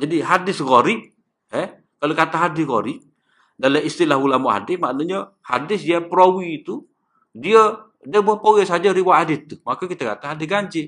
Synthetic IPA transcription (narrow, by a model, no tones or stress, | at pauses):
d͡ʒadiɦadɪsɣoɾiʔ | ɛ | kalokat̪aɦadɪsɣo̰ɾiʔ | daləist̪ilahulamoɦa̰dɪsmaʔnuɲə | ha̰dɪsiapɾowiːt̪u | diə | dəməpowɛsad͡ʒəɾibaʔadɪt̪ːumakakit̪akat̪aɦadɪsɡaɲd͡ʒɪ